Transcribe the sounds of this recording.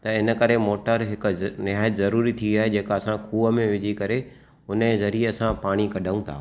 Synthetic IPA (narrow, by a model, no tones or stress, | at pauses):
t̪ɐɪnə̆kɐɾemoːʈəɾɦɪk̆nɪɦaːjət̪zɐɾuːɾit̪ʰiaːɦed͡ʑeːkɐsãkʰuːʋəmẽʋɪd͡ʑʱikɐɾe | ʊnezɐɾieɐsãpaːɽ̃ikɐɖʱaũt̪ʰa̰ː